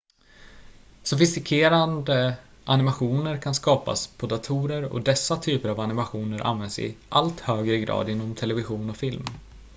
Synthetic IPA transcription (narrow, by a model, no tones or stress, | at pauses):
sɔfɪst̪ɪkʰeːɾand̪ə | ʔanɪmaɧuːnəɾkʰanskɑːpa̰spʰɔd̪at̪ʰuːɾəɾɔ̰d̪ɛsːat̪ʰyːpəɾavanɪmaɧuːnəɾʔa̰nvɛnsɪ̰ʔalt̪høːɡɾəɪɡɾɑ̰ːd̪ɪnːɔmt̪ʰɛlɛvɪɧuːnɔfɪlm